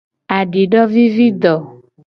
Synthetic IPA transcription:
a˨ɖi˨ɖɔ˦vi˦vi˦d̪ɔ˨

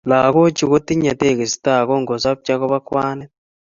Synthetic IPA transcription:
la˨ɣo˦t͡ʃi˨ɣo˦ti˦ɲa˨te˦˨ɣe˨si̥ta˦˨ɣo˦ŋɡo˨sa˦b̚t͡ʃa˦ko˦βa˦kwaː˦nɛ˦

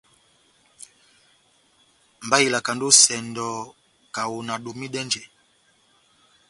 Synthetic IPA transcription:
mba˦i˨la˨ka˨ndu˦sɛ˨ndɔ˨ | ka˨wu˨na˨ɗu˨mi˦ɗɛ˦nd͡ʒɛ˨

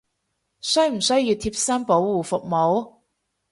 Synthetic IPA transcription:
sɵ˥jm̩˨˩sɵ˥ɥjiː˧wt̪ʰiː˧˥p̚sɐ˥npo˨˥wwuː˨fʊ˨k̚mo˨˧˥w

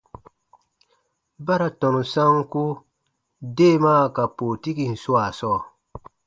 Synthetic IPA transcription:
ba˦ɾa˨tɔ˨nu˨sa˦ŋku˦ | de˦maː˦ka˨poː˨ti˦ki˨n̩˨su˦a˨sɔː˦˨

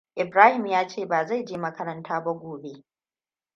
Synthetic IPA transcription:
ʔɪ˨bɾaː˦hɪ˨mjaː˦t͡ʃeː˦˨baː˨za˦˨jd͡ʒeː˦mɐ˦kɐ˦ɾɐ˦ntʰaː˦ba˦ɡʷoː˨be˦

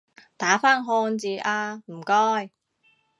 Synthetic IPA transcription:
t̪aː˨˥faː˥nɦɔː˧nt͡siː˨˧ʔaː˧m̩˨˩kɔː˥˩j

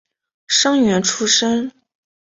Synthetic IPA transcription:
ʂɤ˥ŋɥɛ˧˥nʈ͡ʂʰu˥ʂə˥n

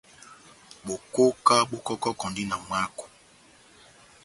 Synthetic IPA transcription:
bo˨ko˦ka˦ɓo˦kɔ˦kɔ˦kɔ˨ndi˦na˨mwa˦ko̥˨

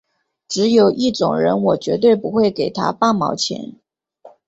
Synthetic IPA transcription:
ʈ͡ʂɻ̩˧˥jo˨˩ʊʔi˥˩ʈ͡ʂʊ˨˩ŋɻə̰˧˥nwɔ˨˩t͡ɕɥɛ˧˥t̪we˥˩ɪpu˧˥xwe˥˩ɪke˨˩ɪt̪ʰa̰˦pa˥˩mɑ̰˧˥ʊt͡ɕʰjɛ̰˧˥n

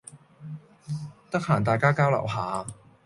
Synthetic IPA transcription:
t̪ɐ˥k̚haː˨˩nt̪aː˨jkaː˥kaː˥wlɐ̰˨˩wɦaː˨˧˦

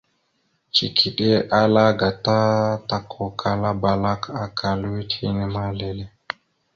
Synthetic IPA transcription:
t͡ʃi˨kʰi˨ɗe˦ʔa˦la˦ɡa˨ta˦ta˨kʰɔ˨kʰa˦la˦ba˨la˦kʰa˦kʰa˨li˦tʰi˦nɛ˦ma˦lɛ˦lɛ˦

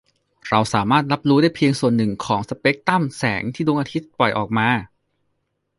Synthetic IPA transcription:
ɾa˧wsaː˩˦maː˥˩t̪̚la˦˥p̚ɾuː˦daː˥˩jpʰi˧əŋsu˨˩ənːɯ˨˩ŋkʰɔː˩˦ŋsa˧peː˦˥k̚t̪a˥˩msɛː˩˦ŋt̪ʰiː˥˩doː˧ŋʔaː˧t̪ʰi˦˥t̪̚pɔ˨˩jʔɔ̰ː˨˩k̚maː˧

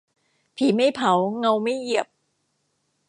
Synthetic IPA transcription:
pʰiː˩˦ma˥˩jpʰa˨˦wŋa˧wma˥˩jji˨˩əp̚

